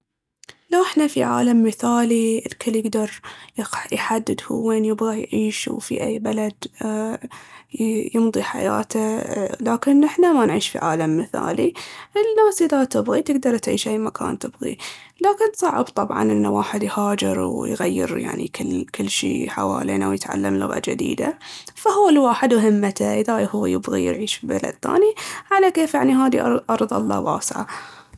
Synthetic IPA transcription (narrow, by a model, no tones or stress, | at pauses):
laʔɪħnafiʕa̰ːlamːɪθaːliɪlkʰɪlːjɪɡd̪ɑɾˤ | jħad̪ːɪd̪hṵwːeːnjɪbɣajʕiːʃwfḭʔajːbalad̪ | jɨmd̪ˤiħa̰ja̰ːt̪ʰalaːkɪnʔɪħnamanʕiːʃfḭʕa̰ːlamːɪθa̰ːliʔɪnːaːsilat̪ɪbɣit̪ɪɡd̪ɑɾˤt̪ʕiːʃʔajːmakʰa̰ːnt̪ɪbɣḭ | laːkɪnsˤɑʕəbt̪ˤɑbʕɑ̰nʔɪnːawaːħɪd̪jhaːd͡ʒɪɾwjɣajːɪ̰ɾja̰ʕnḭkɪlːkɪlːʃḭːħa̰wa̰ːleːnawjɪt̪ʕa̰lːamlʊ̰ɣa̰d͡ʒɪ̰d̪ḭːd̪a̰fahʊːlwaːħɪd̪mʊɦɪmːat̪aʔɪðajhʊːjɪbɣḭjɪ̰ɾʕiːʃfibala̰d̪̚θa̰ːniʕalakeːfjaʕniɦaːðiʔɾʔɑɾˤðˤɑ̰lˤːɑ̰waːsʕa̰